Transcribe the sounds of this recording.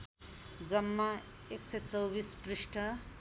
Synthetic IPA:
d͡zʌmːa | eksʌjt͡sʌwbispriʂʈʰʌ

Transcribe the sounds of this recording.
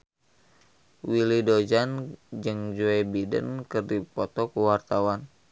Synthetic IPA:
wilidod͡ʒand͡ʒɨŋd͡ʒuɛbidə̰nkɨrdipɔt̪ɔkuwart̪awan

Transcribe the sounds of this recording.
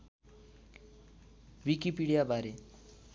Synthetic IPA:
wikipiɽijabaɾe

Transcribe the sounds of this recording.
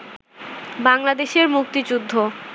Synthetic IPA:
baŋlad̪eʃeɾmuk̚t̪id͡ʑud̪ʱːo

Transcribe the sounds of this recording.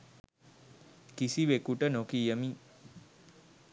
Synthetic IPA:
kisiʋekuʈənokijəmi

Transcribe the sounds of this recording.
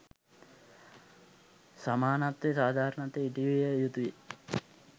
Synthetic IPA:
samaːnat̪ʋesaːd̪ʱaːɾənat̪eiʈiʋijejut̪uje

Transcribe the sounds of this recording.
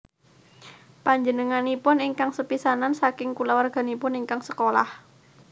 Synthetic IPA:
paɲd͡ʒənəŋanipʊniŋkaŋsəpisanansakɪŋkulawarɡ̥a̤nipʊniŋkaŋsəkola̰h

